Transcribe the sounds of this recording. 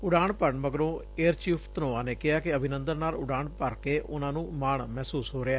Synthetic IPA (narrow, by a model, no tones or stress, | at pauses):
ʊɖaːɳpəɾɳməɡɾõː | eːəɾt͡ʃiːpʰt̪ənoːaːneːkɪaːkɪəbʱɪnənd̪ənnːaːlʊɖaːɳpəɾkeːʔʊnãːnũːmaːɳmɛːsuːsɦoːɾeaː